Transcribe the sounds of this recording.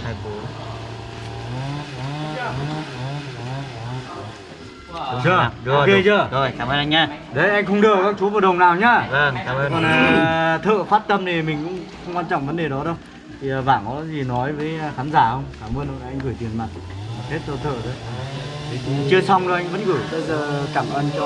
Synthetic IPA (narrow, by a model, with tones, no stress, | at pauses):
a˧˩fo˨˦˨ | ə˧˩˧ke˧t͡ɕəː˧˩kɔ˨˦aː˧˩jkaː˧˩mʔəː˧nʔa˧jŋɲaː˧ɗə˨˦jʔa˧jŋ̟xə˧wŋ͡mɗɨ˨˩əkkaː˦˥k̚t͡ɕu˨˦vəː˨˩ɗə˨˩wŋ͡mnaː˨˩wɲaː˧və˧˩a˧˨˧kɔ˨˩n˨˩t̪ʰə̰ː˧˨faː˦˥t̚t̪ə˧mne˨˩mï˨˩ŋ̟kʊ̰˧˥ŋ͡mxə˧wŋ͡mkwaː˧nt͡ɕɔ̰˧˨ŋ͡mvə˨˦nɗe˨˩ɗɔ˨˦ɗə˧w | t̪ʰi˨˩˨vaː˧˩ŋkɔ˨˦zi˨˩nɔ˨˦jvəː˨˦jxaː˨˦nzaː˧˩hə˧wŋ͡mkaː˧˩mʔəː˧no̰˧˨ʔʔa˧jŋ̟ɣɨː˧˩jt̪i˨˩ənma˨˩t̚t̪e˦˥t̚zɔ˧˩t̪ʰə̰ː˧˨t̪ʰə˨˦j | t͡ɕɨ˧əsa˧wŋ͡mzo˨˧˩ʔa˧jŋ̟və̰˧˥˦nɣɨ˧˩jt̪ə˧˩zəː˨˩kaː˧˩mʔʔəː˧nt͡ɕɔ˧